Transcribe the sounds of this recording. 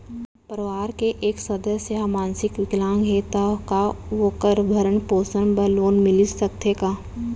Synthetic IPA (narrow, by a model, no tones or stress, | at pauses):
pəɾʋaːɾkeʔeːksəd̪əsjəmãːnsɪkʋɪklãːŋɡɦeːt̪akaʋokəɾbʱəɾəɳpoːsənbəloːnmɪlɪsəkt̪ekaː